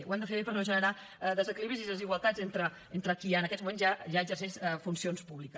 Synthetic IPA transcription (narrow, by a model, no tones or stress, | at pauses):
ṵwɛmd̪əfeβepəɾnoʒənəɾa | ðəzəkiliβɾiziðəziɣwəlˠt̪azent̪ɾə | ent̪ɾəkiənəkɛzmumenzʒaʒaəɡzərsɛʃəfunsionspuβlikə